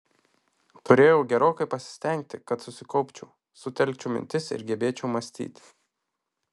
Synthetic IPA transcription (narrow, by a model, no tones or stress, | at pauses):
t̪ʊɾʲeːjɛʊɡʲɛɾoːkɐɪpɐsʲɪ̥sʲt̪ʲɛˑŋʲk̚t̪ʲɪkɐt̪sʊsʲɪkɒʊpʲt͡ʃʲʊ̰ | sʊt̪ʲɛlʲk̚ʲt͡ʃʲʊmʲɪ̰nʲt̪ʲɪsɪ̰ɾɡʲɛbʲeːt͡ʃʲɛʊmɐsʲt̪ʲḭːt̪ʲ